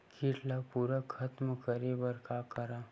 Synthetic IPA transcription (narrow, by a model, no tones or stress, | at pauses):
kiʈlapuɾakʰɐt̪mkəɾebəɾkakəɾa